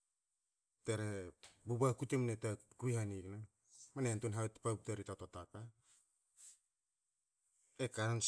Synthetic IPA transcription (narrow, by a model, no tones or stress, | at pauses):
teɾebubakutemnetakuihanikna | manentunɦawtpap̚teɾitatotaka | ekaɾans